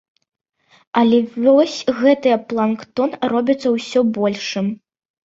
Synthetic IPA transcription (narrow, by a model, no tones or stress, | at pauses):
ɐlʲɛvʲɔsʲɣɛt̪ɨjɐplˠankt̪ɔnrɔbʲit̪sːɐwsʲɔbɔlʲʂɨm